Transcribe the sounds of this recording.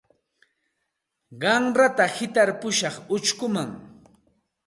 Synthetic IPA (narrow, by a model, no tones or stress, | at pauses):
ɢɑŋɾat̪ahɪt̪aɾpʊʃɑχʊt͡ʃkʊmaŋ